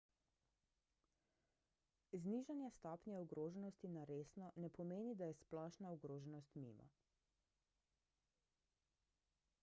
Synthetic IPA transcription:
zniʒanjast̪ɔːpnjaɔɡɾoːʒɛnɔst̪inaɾeːsnɔnɛpɔmeːnid̪ajɛsplɔːʃnaɔɡɾoːʒɛnɔst̪mḭːma̰

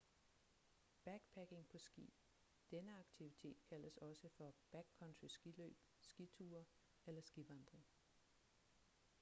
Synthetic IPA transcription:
b̥æɡ̥pʰæɡ̥e̝ŋpʰɒ̽sɡ̥ḭ̥ | d̥enəɑ̈ɡ̥̚t͡sʰiʋit͡sʰe̝̰ːd̥kʰæl̰əsɒ̽səfɒ̽b̥æɡ̥kʰɒ̽nt͡sʰysɡ̥ilø̰ːb̥ | sɡ̥it͡sʰuːɐ | elɐsɡ̥iʋɑ̈nd̥ʁeŋ

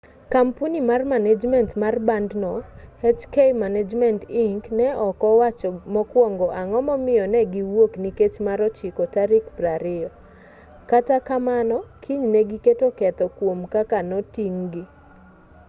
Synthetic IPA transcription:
kampunimarmaned͡ʒmɛntmarbandnɔhɛt͡ʃkejmaned͡ʒmɛntiŋknɛɔkɔwat͡ʃɔmɔkwɔŋɡɔʔaŋɔmɔmɪjɔnɛɡiwokniket͡ʃmaɾɔt͡ʃikɔtaɾikbɾaɾɪɔ | katakamanɔkʰiɲnɛɡiketokɛt̪ɔkwomkakanɔtiŋɡi

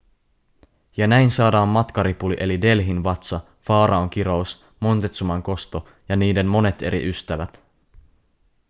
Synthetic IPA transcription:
jɑnæjnsɑːdɑːmːɑt̪kɑɾipuliʔe̞lide̞lɦinʋɑt̪sɑ | fɑːɾɑoŋk̟iɾous | mo̞nt̪et̪sumɑŋko̞st̪o̞ | jɑniːde̞mmo̞ne̞t̪e̞̰ɾḭʔyst̪æʋæt̪

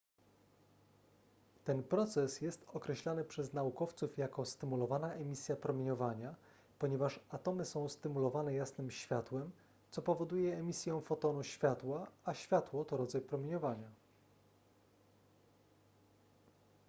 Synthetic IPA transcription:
t̪ɛnpɾɔt̪sɛsjɛst̪ɔkɾɛɕlanɘpʂɛznaukɔft̪sufjakɔst̪ɘmulɔvanaʔɛmʲisʲjapɾɔmʲjeɲɔvaɲa | pɔɲɛvaʂat̪ɔmɘsɔ̃w̃st̪ɘmulɔvanɛjasnɘmɕfʲjat̪wɛm | t̪sɔpɔvɔd̪ujɛːmʲisʲjɔ̃w̃fɔt̪ɔnuɕfʲjat̪waaɕfʲjat̪wɔt̪ɔɾɔd̪zajpɾɔmʲjeɲɔvaɲa

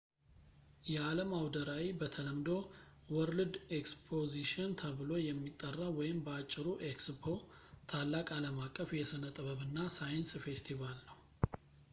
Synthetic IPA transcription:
jɛaləmawd̪əɾawibət̪ʰələmd̪o̞ | wɔɾlɨd̪ekspʰoziʃɔnt̪ʰəβɨlo̞jɛmːit̪ʼːərːawɔjɪmbəat͡ʃʼːɪɾuʔekspʰo̞ | t̪ʰalːakʼaləmakʼːəfjɛsɨnət̪ʼɨβəβɨnːasajɨnsfe̞st̪ʰivalnəw

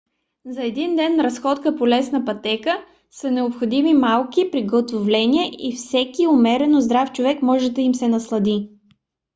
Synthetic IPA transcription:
zɐɛd̪ind̪ɛnːɾɐsxɔt̪kəpolɛsnəpɐt̪ɛkə | sənɛopxod̪imimalˠkipɾiɡət̪ovlɛnʲiɛifsɛkiʊmɛɾɛnozd̪ɾaft͡ʃʊvɛkmɔʒɛd̪ɐimsɛnɐslˠɐd̪i

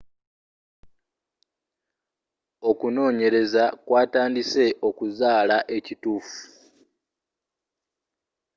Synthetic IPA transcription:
o̞kuno̞ːɲe̞ɾe̞zakwaːtaːndise̞ʔo̞kuzaːlaʔe̞cituːfu̥

